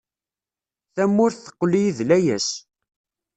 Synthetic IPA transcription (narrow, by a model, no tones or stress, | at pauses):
θæmːʊɾθθə̥qːlijiðlæjæs